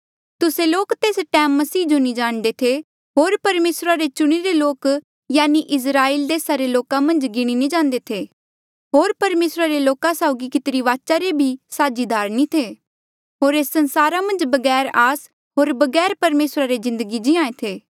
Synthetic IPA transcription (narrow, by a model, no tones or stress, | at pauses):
t̪ʊseloːkt̪eːsʈɛːmːɐsiːd͡ʒonĩd͡ʒaːɽ̃d̪et̪ʰe | ɦoːɾpɐɾmeːsɾaɾet͡ʃʊɽ̃iɾeloːk | jaːniʔɪs̬ɾaːiːld̪eːsaɾeloːkãmɐ̃nd͡ʒɡɪɽ̃inid͡ʒãːnd̪et̪ʰe | ɦoːɾpɐɾmeːsɾaɾeloːkãsaːʊɡikɪt̪ɾiʋaːt͡ʃaɾebʱisaːd͡ʒid̪ʱaːɾnĩt̪ʰeː | ɦoːɾeːsːɐ̃nsaːɾamɐ̃nd͡ʒbɐɡɛːɾaːs | ɦoːɾbɐɡɛːɾpɐɾmeːsɾaɾezɪ̃nd̪əɡid͡ʒɪãːẽt̪ʰeː